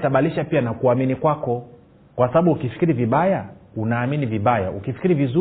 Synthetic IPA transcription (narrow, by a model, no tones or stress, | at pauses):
taɓaliʃapianakuaminikwakɔ | kwasaɓaɓuːkifi̥kiɾiviɓajaunaːminiviɓaja̰ukifi̥kiɾivizu